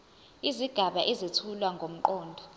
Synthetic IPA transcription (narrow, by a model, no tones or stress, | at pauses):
iziɡ̥ʱaɓaʔɛzitʰulwaŋɡʱom̩ǃɔːndʱɔ